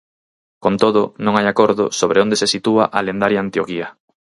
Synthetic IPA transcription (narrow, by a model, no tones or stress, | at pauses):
kont̪oð̞ʊnõŋajakoɾðʊ̰soβɾeond̪esesit̪uaʔalend̪aɾjaant̪jokiɐ